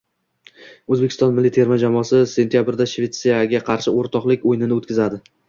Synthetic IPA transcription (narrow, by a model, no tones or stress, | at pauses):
ɵzbekʲʰɪst̪ɒnmɪlːit̪ʰe̞ɾmad͡ʒamɒsɪse̞nt̪ʰʲjabɾd̪aʃve̞t̪sijaɡʲaqʰɑɾʃɪoɾt̪ʰɒqlˠɪkʲojnɪnɪot̪kʲɪzad̪ɪ